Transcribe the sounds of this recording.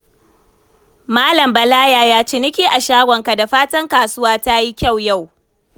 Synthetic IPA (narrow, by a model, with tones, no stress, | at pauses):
maː˦lɐ˨mbɐ˨laː˦jaː˦˨jaː˦t͡ʃeː˦nɪ˦kʲiː˦ʔa˨ʃaː˦ɡʷɔ˨ŋka˨da˨ɸaː˦tɐ˦ŋkaː˨sʊ˦waː˦ta˦ji˦kʲa˦˨wja˦˨w